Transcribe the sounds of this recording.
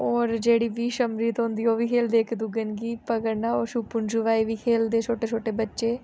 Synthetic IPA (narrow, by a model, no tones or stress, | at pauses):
ɔːɾd͡ʒeːɽiːʋiːʃəmɾiːt̪ɦõnd̪iːoːʋiːkʰeːld̪eːkʰd̪ʊɡənɡiːpəɡəɾnaːoːʃupʊnʃuʋaːiːʋiːkʰeːld̪eːt͡ʃʰoːʈeːt͡ʃʰoːʈeːbətːʃeː